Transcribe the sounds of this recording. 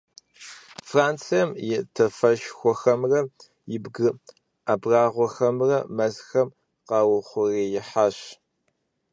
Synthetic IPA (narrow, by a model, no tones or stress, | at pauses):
fraːnt͡sʰijɐmjɪtʰɐfɐʃxʷɔxɐmrɐ | jɪbɡɨ | aːbraːʁʷɔxɐmrɐmɐzxɐm | qɑːwʊχʷʊreːjɪħaːɕ